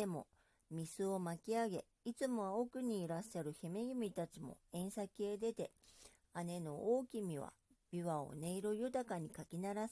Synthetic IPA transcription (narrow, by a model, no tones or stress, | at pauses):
emo̞̰ | mʲisɨo̞makʲiaɡe̞ | it͡sɨmo̞βaokɯ̟ɲ̟iːɾaɕːaɾɯ̟çimeɡʲimʲit̪at͡ɕimo̞̰ẽ̞ɰ̃sakʲied̪e̞t̪e̞ | ane̞no̞ʔoːkʲimʲiβa̰ | b̥ʲiβao̰ne̞iɾojɯ̟t̪akaɲ̟ikakʲinaɾas